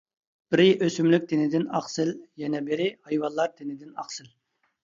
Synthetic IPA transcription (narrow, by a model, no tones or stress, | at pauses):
b̥ɪɾɪʔøsymlyk̚ʲd̪ɪnɪd̪ɪnɑ̰χsɨljɛnɛbɪɾɪhɑjwɑnlˠːɑɾd̪ɪnɪd̪ɪnɑ̰χsɨl